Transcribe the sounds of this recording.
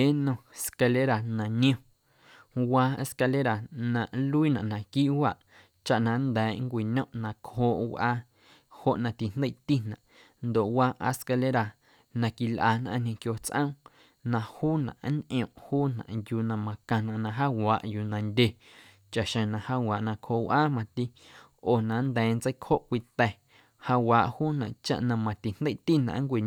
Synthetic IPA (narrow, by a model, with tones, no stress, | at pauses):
e˦nõ˧e˨ska˧le˦ɾa˨nã˧nĩ˦õ˧ | waː˧e˧ska˧le˦ɾa˨nã˧˨ʔlu˦i˦nã˨ʔnã˨kiː˦ʔwa˦˨ʔ | t͡ʃa˦ʔnã˧nd̪ɛː˨˦ŋkʷi˨ɲõ˦ʔnã˧khoː˧˨ʔwʔaː˧ | ho˦ʔnã˧t̪i˨n̥d̪e˦˨ʔt̪i˦nã̰˨ʔ | nd̪o˨ʔwaː˧ʔa̰˧ska˧le˦ɾa˨ | nã˧ki˨lʔa̰ː˧˨n̥ã̰˧ʔɲ̥ʲẽ˧kjoː˧t͡sʔə̰̃˦ | nã˧huː˦nã̰˨ʔnʔĩ˨õ˨ʔhuː˦nã̰˨ʔjuː˧nã˧mã˧kã˧nã˨ʔnã˧ɦaː˦waː˨ʔju˧nã˧ndʲe˧ | t͡ʃa˨ʔʃẽ˨nã˧haː˦waː˨ʔnã˧khoː˧˨ʔwʔaː˦mã˧t̪i˦ | oː˨nã˨nd̪ɛ̃ː˨nt͡sə˦kho˦ʔkʷi˧t̪ɛ˧˨ | ha˧waː˨ʔhuː˦nã˨ʔt͡ʃa̰˧ʔnã˧mã˧t̪i˨n̥d̪e˦˨ʔt̪i˦nã̰˨˦ŋkʷi˨